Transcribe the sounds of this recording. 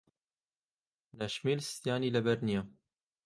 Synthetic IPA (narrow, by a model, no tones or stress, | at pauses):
naʃmiːlst̪jaːnilɐbɐɾnija